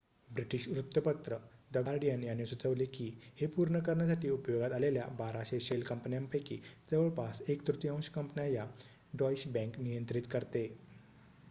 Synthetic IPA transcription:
bɾiʈiɕɾut̪ːjəpət̪ɾəd̪əɡaɾɖijanjanːesut͡səʋlekiːhepuɾɳəkəɾɳjasaʈʰiːupjoɡat̪alelja̰baɾaɕeɕelkəmpnijampəjkḭːt͡seʋəɭpasekt̪ɾut̪jãw̃ɕkəmpnaja | ɖɔjsbɛ̃ŋknijənt̪ɾit̪kəɾt̪e

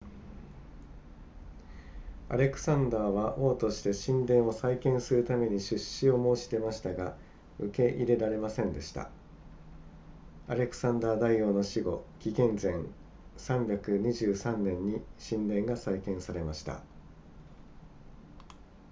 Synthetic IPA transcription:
a̰ɾe̞kɯ̟̥sãnd̪aːβaʔo̞ːt̪o̞ɕi̥t̪e̞ɕĩnd̪ẽ̞ɰ̃o̞saikẽ̞ɰ̃sɨɾɯ̟t̪ame̞ɲ̟iɕɨɕio̞mo̞ːɕi̥t̪e̞maɕi̥t̪aɡa | ɯ̟ke̞ʔiɾe̞ɾaɾe̞masẽ̞nd̪e̞ɕi̥t̪a̰ | aɾe̞kɯ̟̥sãnd̪aːd̪aijo̞ːno̞ɕiɡo̞kʲiɡẽ̞nd͡zẽ̞ŋ | sãmbʲjakɯ̟ɲ̟iʑɨːsãnːẽ̞ɲ̟ːiɕĩnd̪ẽ̞ŋɡasaikẽ̞ɰ̃saɾe̞maɕi̥t̪a̰

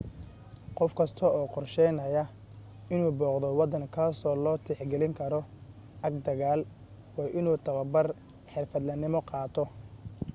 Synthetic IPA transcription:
qɔfkʰɐst̪ʰɔɔːqɔrʃɛjnɐjɐ | ɪnuːbɔːqd̪ɔwɑd̪ɐŋkʰaːsɔːlɔːt̪ʰɛħɡɛlɪŋkʰɐɾɔ | ʔɐɡd̪ɐɣaːl | wɑːʔɪnuːt̪ʰɐβɐbɐr | ħɪrfɐd̪lɐnɪmɔqɑːt̪ʰɔ

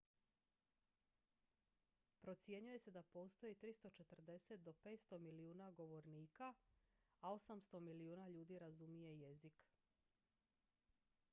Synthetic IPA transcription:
pɾo̞t̪sje̞ɲuje̞se̞d̪apo̞ːst̪o̞jit̪ɾist̪o̞t͡ʃe̞t̪r̩d̪e̞se̞t̪̚d̪o̞pe̞ːt̪st̪o̞miliuːnaɡo̞ʋo̞ɾniːka | ao̞samst̪o̞miliuːnaʎuːd̪iɾazumije̞jezik

